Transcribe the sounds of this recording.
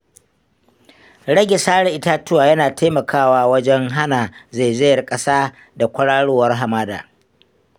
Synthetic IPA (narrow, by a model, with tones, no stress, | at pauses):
ɽɐ˦ɡʲɪ˨saː˦ɽɛ˨ʔɪ˦taː˦tʊ˦waː˨jɐ˦naː˨tʰa˦mɐ˨kʰaː˦waː˦wɐ˦d͡ʒɛ˦ŋɦa˦naː˨za˨jze˦jɐ˨rkʼɐ˦saː˦ | da˨kʷʊ˦ɽaː˦ɽoː˦wɐ˦rɦa˨maː˦da̰ː˨